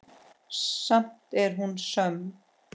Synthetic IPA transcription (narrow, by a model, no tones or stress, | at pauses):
sam̥t̪ɛɾɦunsœm